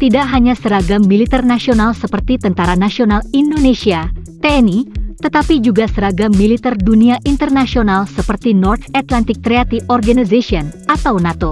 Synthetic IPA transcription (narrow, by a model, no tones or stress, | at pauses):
t̪idaʔɦaɲasəɾaɡamːilit̪ɛrnasionalsəpərt̪it̪ənt̪aɾanasionalindonesiat̪enit̪ət̪apid͡ʒuɡasəɾaɡamːilit̪ɛrduniaʔint̪ərnasionalsəpərt̪inɔrt̪ʰat̪lant̪ɪkːɾeat̪ifɔrɡanizasiənat̪awnat̪o